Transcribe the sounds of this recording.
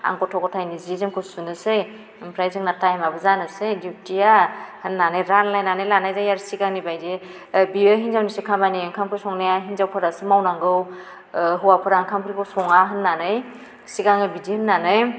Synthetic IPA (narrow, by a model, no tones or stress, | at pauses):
a̰ŋkɔtʰɔkɔtʰajnizizemkʰɯsunɯsɯj | pʰɾajzɯŋnatajmabɯzanɯsɯjditiahɯnːanɯjɾanlajnanɯjlanajzajaɾsikaŋnibajze | biɯɦinzawnisɯkʰamaniaŋkʰamkʰɯsɔŋnajaɦinzawpʰɯɾasɯmawnaŋɡɯw | ɦɯwapʰɯɾaŋkʰampʰɾikʰɯwsɔŋaɦɯnːanɯj | sikaŋɯbidihɯnːanɯj